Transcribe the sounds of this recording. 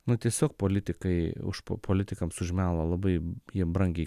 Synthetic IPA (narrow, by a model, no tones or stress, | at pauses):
nʊt̪ʲiɛsʲoːk̚poːlʲɪt̪ʲɪkɐɪʊ̰ʃpopʰoːlʲɪt̪ʲɪkɐmsʊʒʲɪmʲæːlˠɐlˠɐbɐɪjiɛbɾɐŋʲɡʲɛɪ